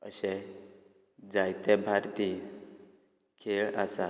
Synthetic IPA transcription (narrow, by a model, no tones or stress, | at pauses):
əɕɛ | d͡zajt̪ɛbʱaɾt̪i | kʰeɭa̰sa